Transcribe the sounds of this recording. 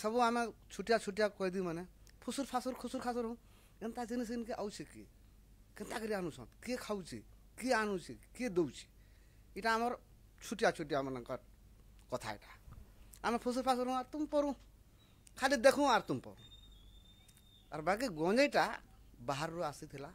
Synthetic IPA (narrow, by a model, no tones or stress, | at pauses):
səbuamet͡ʃʰuʈijat͡ʃʰuʈ̬ijakɔid̪imane | pʰusuɾpʰasuɾkʰusuɾkʰasuɾũ | ent̪ad͡ʒinis̬inkeʔawt͡ʃʰikḭ | kent̪akəɾianũsʰɔ̰̃t̪kekʰaut͡ʃʰḭ | kianũt͡ʃʰiked̪ewt͡ʃʰi̥ | iʈaːmɔɾ | t͡ʃʰuʈijat͡ʃʰuʈ̬ijamənɛkɔ | kɔt̪ʰa̰ḭʈḁ | amɛpʰus̬uɾpʰas̬ɾɦũaɾt̪umpɔɾũ | kʰalid̪ekʰũaɾt̪umpɔ̰ɾṵ̃ | a̰ɾbak̬iɡɔ̃d͡ʒəiʈa | baɦaɾːoasit̪ʰila